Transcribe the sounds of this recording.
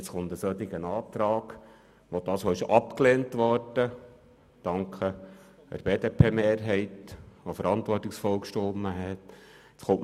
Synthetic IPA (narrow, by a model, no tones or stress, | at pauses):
t͡sχʊnt̪əsœt̪ɪɡənɑːt̪ɾɑːɡ | ʋod̥̪ɑːsoːɪʃɑpkleːntʋɔɾd̥ə | d̥ɑŋkχə | ə̰ɾb̥eːd̪epʰeːmeːɾɦɛɪtʋofəɾɑnt̪ʋɔrtːɪksfɔlkʃtomːəɦɛtɪt͡sχʊmʔ